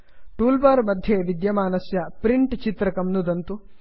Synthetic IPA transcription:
ʈuːlbaːɾmɐd̪ʱjeʋid̪jɐmaːnɐsjɐpɾiɳʈt͡ʃit̪ɾɐkɐmnud̪ɐnt̪u

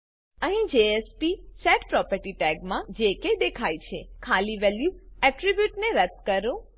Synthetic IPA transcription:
əɦĩd͡ʒeespisɛʈpɾɔpəɾʈiʈɛɡmãd͡ʒeked̪ekʰajt͡ʃʰekʰaliʋɛljuɛʈɾibjuʈneɾət̪kəɾũ

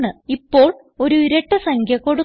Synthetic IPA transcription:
ɳɨipːo̞ːɭ | o̞ɾuiɾeʈːɨsɐŋkʰjɐkːoɽu

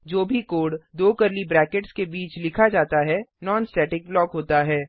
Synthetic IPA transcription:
d͡ʒoːbʱikoːɽd̪oːkɐɾlibɾɛːkeʈskebiːt͡ʃlɪkʰad͡ʒaːt̪aɦɛnɔːnsʈɛːʈɪk̚blɔːkɦoːt̪aɦɛː

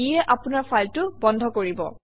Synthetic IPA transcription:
ijɛʔapʊnaɹfʰajltʊbɔndʱɔkoɹibɔ̰

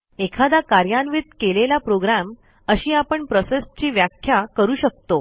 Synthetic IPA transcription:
ekʰad̪akaɾjanʋit̪kelelapɾoɡɾam | əɕiːapəɳpɾosest͡ɕiːʋjakʰjakəɾuːɕək̚t̪o

